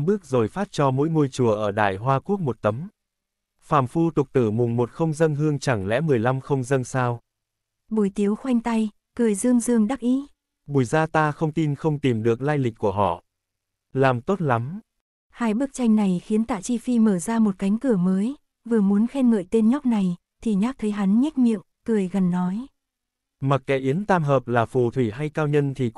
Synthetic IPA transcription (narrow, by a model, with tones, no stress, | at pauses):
ɓɨ˦˥ək̚zo˨˩jfaː˦˥t̚t͡ɕɔ˧mo̰˧˥jŋo˧jt͡ɕu˧˩əʔəː˧˩ɗa̰ː˧˩jɦwaː˧ku˦˥ək̚mo˨˩t̚t̪ə˨˦m | faː˧˩mfu˧t̪ʊ˨˩k͡p̚t̪ɨ˧˩mʊ˨˩ŋ͡mmo˨˩t̚xə˧wŋ͡mzə˧nɦɨ˧əŋt͡ɕa˧˩ŋlɛ̰˧˥mɨ˨˩əjla˧mxə˧wŋ͡mzə˧nsaː˧w | ɓu˨˧˩jt̪i˨˦əwxwa˧jŋ̟t̪a˧j | kɨ˨˩əjzɨ˧əŋzɨ˧əŋɗa˦˥k̚ʔi˨˦ | ɓu˨˩əjzaː˧t̪aː˧xə˧wŋ͡mt̪i˧nxə˧wŋ͡mt̪i˨˩mɗɨ˨˩ək̚laː˧jlï˨˩k̟̚kːu˧˩əɦɔ̰˧˨ | laː˨˩mt̪o˦˥t̚la˨˦m | haː˧jɓɨ˦˥ək̚t͡ɕa˧jŋ̟na˨˩jxi˨˦nt̪a̰ː˧˨t͡ɕi˧fi˧məː˧˩zaː˧mo˨˩t̚ka˨˦jŋ̟kɨ˧˩əməː˨˦j | vɨ˨˩əmu˨˦ənxɛ˧nŋə̰ː˧˨jt̪e˧nɲɔ˦˥k͡p̚na˨˩j | t̪ʰi˨˩ɲaː˦˥t̪ʰə˨˦jɦa˨˦nɲɛ˦˥k̚ɲḭ˧˨əm | kɨ˨˩əjɣə˨˩nːɔ˨˦j | ma˨˩t̚kɛ̰˧˥ʔi˨˦ənt̪aː˧mɦəː˨˩p̚laː˨˩fu˨˩t̪ʰwi˧˩ɦa˧jkaː˧wɲə˧nt̪ʰi˨˩